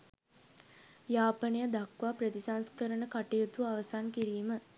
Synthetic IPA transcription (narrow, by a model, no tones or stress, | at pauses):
jaːpənejəd̪akʋaːprət̪isanskəɾənəkaʈijut̪uaʋəsankiɾiːmə